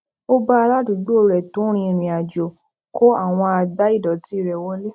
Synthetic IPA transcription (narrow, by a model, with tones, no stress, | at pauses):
o˦ba˦˧ɾa˦du˨ɡ͡bo˦o˨ɾɛ˨tũ˨˦ɾ̃ĩ˧˨ɾ̃ĩ˨a˨d͡ʒo˨ | kʰo˦a˦˨w̃ɔ̃˧a˧ɡ͡ba˨˦i˦˨dɔ˨ti˦˨ɾɛ˨wɔ˨˦le˦